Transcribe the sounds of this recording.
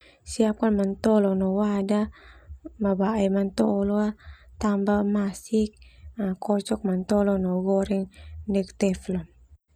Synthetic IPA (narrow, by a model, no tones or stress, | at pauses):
siap̚kanmant̪ɔlɔnɔwada | mabaɛmant̪ɔlɔat̪ambamasik̚akɔt͡ʃɔk̚mant̪ɔlɔnɔɡɔɾɛŋnɛkt̪ɛflɔ